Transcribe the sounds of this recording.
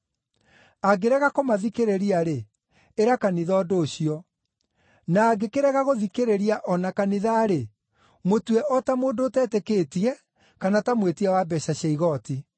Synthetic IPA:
aɡeɾɛɣakomaðikeɾeɾiaɾe | eɾakaniðɔːdoːɕiɔ | naːɡekeɾɛɣaɣoðikeɾeɾiaʔɔnakaniðaɾe | motwɛʔɔtamoːndoːtɛːtɛkeːtiɛ | kanatamwetiɛwabɛɕaɕɛiɣɔti

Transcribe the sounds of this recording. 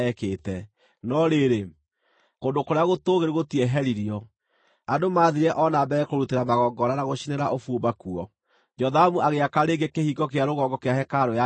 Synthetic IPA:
ɛkeːtɛ | nɔɾeɾe | kondokoɾeaɣotoɣeɾeɣotiɛɦɛɾiɾiɔ | adomaːðiɾɛʔɔnabɛkoɾuteɾamaɣɔːɡɔɾanaɣoɕineɾaʔofuobakuɔ | d͡ʒɔðamuaɣeakaɾeɡekehiɡɔkeaɾoɣɔɡɔkeahɛkaɾoja

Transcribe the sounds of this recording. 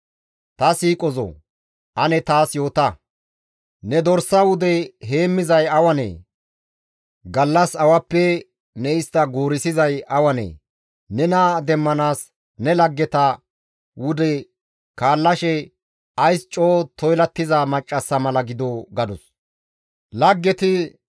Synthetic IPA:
t̪ɐsiːkʼɔzɔ̰ | ʔɐnɛt̪aːsjo̞ːt̪ɐ | nɛd̪ɔɾsɐwʊd̪ɛɦe̞ːmːɪzɐjɐwɐnḛː | ɡɐlːɐsɐwɐpːɛ | nɛɪst̪ːɐɡuːɾɪsɪzɐjɐwɐnḛː | nɛnaːd̪ɛmːɐnaːs | nɛlɐɡːɛt̪ɐ | wʊd̪ɛ | kaːlːɐʃɛ | ɐjst͡ʃʼoːt̪ɔjlɐt̪ːɪzamɐt͡ʃʼːɐsːɐmɐlɐɡɪd̪oɡɐd̪ʊs | lɐɡːɛt̪ɪ

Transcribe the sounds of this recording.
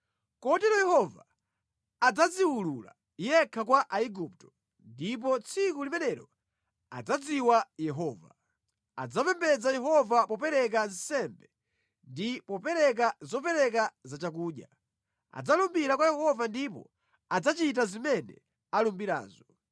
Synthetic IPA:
kɔtɛɾɔjɛhɔva | ad͡zad͡ziwulula̰ | jɛkʰakwaʔaiɡup̚tɔ̥ | ndip̬ɔt͡sʰikulimɛnɛɾɔ | a̰d͡zad͡ziwajɛɦɔːva̰ | a̰d͡zapɛmbɛd͡zajɛɦɔvapɔpɛɾɛk̬ansɛmbɛ | ndipɔpɛɾɛk̬azɔpɛɾɛk̬azat͡ʃak̬uːɗja | a̰d͡zalumbiɾakwajɛhɔvandipɔ̰ | ad͡zat͡ʃit̬azimɛnɛ̰ | alumbiɾa̰ːzɔ

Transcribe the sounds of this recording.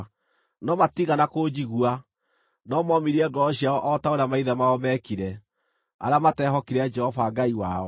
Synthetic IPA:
nɔmatiɣanakod͡ʒiɣwa | nɔmɔmiɾiɛɡɔɔɕiaɔʔɔtaoɾeamaiðamaɔmɛkiɾɛ | a̰ɾeamatɛɦɔkiɾad͡ʒɛhɔvaɡaiwaɔ

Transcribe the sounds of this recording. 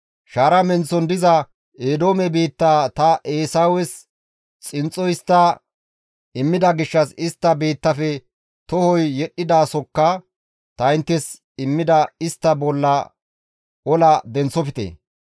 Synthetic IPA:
ʃaːɾɐmɛnt͡sːɔnd̪ɪzɐ | eːd̪o̞ːmɛbeːt̪ːaːt̪ɐʔeːsawɛs | t͡sʼɪnt͡sʼːɔjɪst̪ːɐ | ɪmːɪd̪ɐɡɪʃːɐsɪst̪ːɐbeːt̪ːɐfɛ | t̪ɔhɔjːɛɗːɪd̪aːsɔkːɐ | t̪ɐɪnt̪ːɛs | ɪmːɪd̪ɐɪst̪ːɐbɔlːɐ | ɔlɐd̪ɛnt͡sːɔfɪt̪ḛː

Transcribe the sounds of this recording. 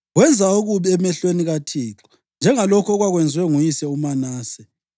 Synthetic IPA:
ɣwɛnd͡zʱaoɣuβiɛmɛɬweniɣatʰiːǁɔ̥ | nd͡ʒʱɛŋalɔkʰɔɣwaɣwɛnd͡zʱwɛŋujisɛumanaːsɛ

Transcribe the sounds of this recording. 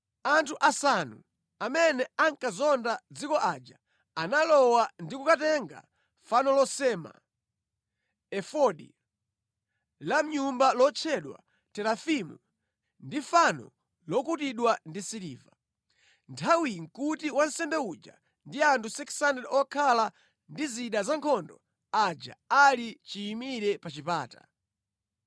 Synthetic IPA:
antʰuʔasanu | amɛnɛaŋkazɔndad͡zikɔʔad͡ʒa | analɔwandikukatɛŋɡa̰ | fanɔlɔsɛma̰ | ɛfɔɗḭ | lam̩ɲumbalɔt͡ʃʰɛɗwa̰ | tɛlafimṵ | ndifanɔ̰ | lɔkutiɗwandisiɾiːva | ntʰawiŋ̩kutiwan̩sɛndɛud͡ʒa̰ | ndiantʰusɛksanɛdɔkʰala | ndiziɗazaŋkʰɔndɔ̰ | ad͡ʒa̰alit͡ʃiːmiɾɛpat͡ʃipaːtḁ̰

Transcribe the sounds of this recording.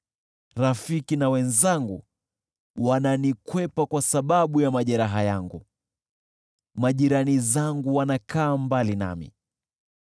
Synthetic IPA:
ɾafikinawɛnzaŋɡṵ | wananikwɛpakwasaɓaɓujamaʄɛɾaɦajaŋɡu | maʄiɾanizaŋɡuwanakaːmbalina̰mḭ

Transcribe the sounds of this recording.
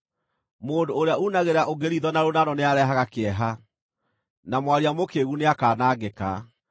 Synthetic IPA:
moːndoːɾeaunaɣeɾaʔoɡeɾiðɔnaɾonaɾɔneaɾɛɦaɣakeɛɦa | namwaɾiamokeɣuneakaːnaːɡeka̰

